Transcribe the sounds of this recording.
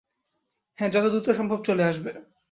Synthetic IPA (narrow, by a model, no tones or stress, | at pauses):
hɛ̃d͡ʑɔt̪od̪ut̪oʃɔmbʱob̚t͡ɕoleaʃbe